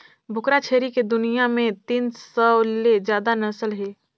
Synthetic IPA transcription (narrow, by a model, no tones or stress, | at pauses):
bʱʊkɾat͡ʃʰeːɾiked̪ʊnijamẽt̪iːnsəled͡ʒjaːd̪anɐsəlɦeː